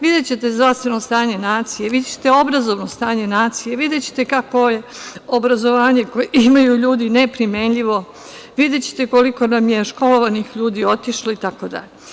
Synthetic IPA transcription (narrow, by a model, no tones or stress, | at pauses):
ʋid̪et͡ɕet̪e̞zd̪ɾaʋst̪ʋe̞no̞st̪aːɲe̞naːt̪sijeʋid̪et͡ɕe̥t̪eo̞bɾazo̞ʋnost̪aːɲe̞naːt̪sijeʋid̪e̞t͡ɕe̥t̪e̞kakoje̞obɾazo̞ʋaːɲe̞kojimajuʎuːd̪ine̞pɾime̞nʎiʋo̞ | ʋid̪et͡ɕe̥t̪eko̞liko̞namje̞ʃko̞lo̞ʋanixʎuːd̪io̞t̪iʃloit̪ako̞d̪a̰ʎe